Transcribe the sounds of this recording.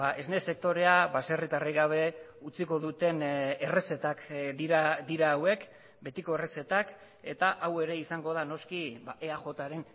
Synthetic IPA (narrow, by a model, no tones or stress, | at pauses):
baʔe̞zne̞se̞k̚t̪o̞ɾe̞abaserit̪ariɣaβ̞e̞ | ut͡siko̞ðut̪e̞nere̞se̞t̪akdiɾad̪iɾaːwe̞k | be̞t̪iko̞e̞rese̞t̪ak | e̞t̪aʔawe̞ɾe̞isaŋɡo̞ðano̞skibaʔe̞aʝo̞t̪aɾe̞n